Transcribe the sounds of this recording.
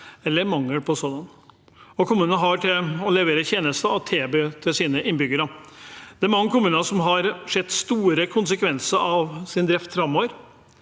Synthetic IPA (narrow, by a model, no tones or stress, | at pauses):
ɛlːəɾmɑŋːəɽpʰɔsɔd̪ɑn | ɔkʰʊmʉːnəɦɑʈʰɪlɔlɛʋeːɾəçeːnəst̪əɑʋt̪ʰeːbeːt̪ʰɪlsiːnəʔɪnbʏɡəɾəd̪̥ɛæɾmɑŋːəkʰʊmʉːnəsɔmɦɑɾʂɛd̪st̪uːɾəkʰʊnsəkʰʋɛnsəɾɑʋsɪnd̪ɾɛft̪fɾɑmːoːʋəɾ